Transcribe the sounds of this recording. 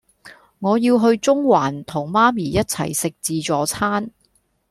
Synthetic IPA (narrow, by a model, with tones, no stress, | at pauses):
ŋɔː˨˧jiː˧wɦɵ˧ɥt͡sʊ˥ŋwaː˨˩nt̪ʰʊ˨˩ŋmaː˥miː˨˩jɐ˥t̚t͡sʰɐ̰˨˩jsɪ˨k̚t͡siː˧t͡sɔː˨˥t͡sʰaː˥n